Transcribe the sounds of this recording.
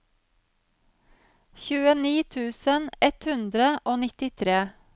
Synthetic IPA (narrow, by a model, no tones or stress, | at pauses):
çʉːəniːt̪ʰʉːsənɛt̪hʉnd̪ɾəʔoːnɪt̪ɪt̪ʰɾeː